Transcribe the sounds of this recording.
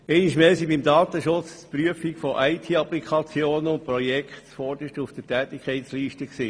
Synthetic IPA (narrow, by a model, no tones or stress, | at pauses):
ɛɪniʃmɛːsibimdɑːt̪əʃʊt͡spɾyəfikfɔʔɛɪtʰiːɑplikʰɑt͡sjoːnʊnpɾɔjɛkχt̪fɔɾd̥̪əʃtufd̥ətɛːt̪ɪkʰχɛɪtsliːʃtəksiː